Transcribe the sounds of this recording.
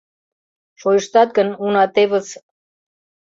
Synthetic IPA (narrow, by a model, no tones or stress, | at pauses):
ʃojəʃt̪ɑt̪̚ɡə̆nunɑt̪eβə̆t͡s